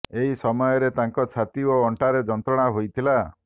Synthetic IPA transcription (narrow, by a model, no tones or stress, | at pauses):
eɦisɔmɔjɔɾet̪aŋkɔt͡ʃʰat̪ioɔɳʈaɾed͡ʒɔnt̪ɾɔɽ̃aɦojt̪ʰila